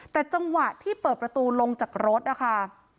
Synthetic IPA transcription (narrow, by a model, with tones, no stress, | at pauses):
t̪ɛː˨˩t͡ɕa˧ŋwa˨˩t̪ʰiː˥˩pɤː˨˩t̪̚pɾa˧t̪uː˧lo˧ŋt͡ɕaː˨˩k̚ɾo˦˥t̪̚ʔa˧˩kʰa˥˩